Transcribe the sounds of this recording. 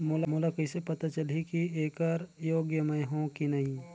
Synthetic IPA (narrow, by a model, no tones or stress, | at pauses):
molamolakɐɪsepɐt̪at͡ʃɐlikieːkɔɾjoːɡjəmẽɦõkinɐɦĩ